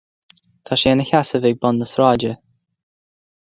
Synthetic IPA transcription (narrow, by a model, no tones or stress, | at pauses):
t̪ʰaʃɛnəçasəvɪɡ̚bɔnːəsɾaːd͡ʒə